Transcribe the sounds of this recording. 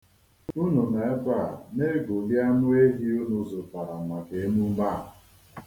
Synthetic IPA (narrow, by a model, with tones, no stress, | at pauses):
u˦nu˨ne˨˦ba˦˨ne˦ɡo˨li˦a˦nʊ˦e˦ɦi˦u˦nu˨zʊ˨pa˨ɾa˨ma˨ke˨˦mu˦ma˦˨ɦʊ˨